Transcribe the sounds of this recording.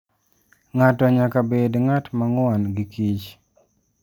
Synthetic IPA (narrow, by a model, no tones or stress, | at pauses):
ŋatɔɲakabedŋatmaŋwanɡikit͡ʃ